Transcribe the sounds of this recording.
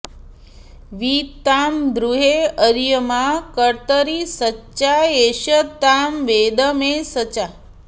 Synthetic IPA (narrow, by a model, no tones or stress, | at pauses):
ʋiːt̪ːaːmd̪ɾuɦeəɾjɐmaːkəɾt̪əɾisɐtːʃaeːʃɐt̪ːaːmʋeːd̪əmeːsɐt͡ʃa